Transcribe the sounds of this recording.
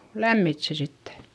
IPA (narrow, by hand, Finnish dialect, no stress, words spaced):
læmːit se sitːe